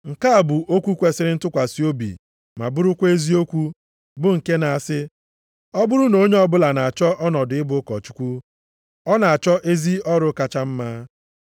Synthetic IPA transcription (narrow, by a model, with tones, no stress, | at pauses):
ŋ̩˨ka˦a˨bʊ˨ʔo˦kʷu˦kʷe˨sɪ˦ɾɪ˦n̩˦tʊ˦kʷa˨si˦o˦bḭ˨ | ma̰˨bʊ˦ɾʊ˦kʷe˦zi˦o˦kʷu˦ | bʊ˦ŋ̩˨ke˦na˨a˨sɪ˦ | ɔ˦bʊ˦ɾʊ˦no˨˦ɲe˦ɔ˦bʊ˦la˨na˨a˨t͡ʃɔ˦ʔɔ˦nɔ˨dʊ˨ɪ˦bʊ˦kɔ˨t͡ʃu̥˦kʷu˦ | ɔ˦na˨a˨t͡ʃɔ˦ʔe˦zi˦ɔ˦ɾʊ˦ka˦t͡ʃa˦m̩˦maː˦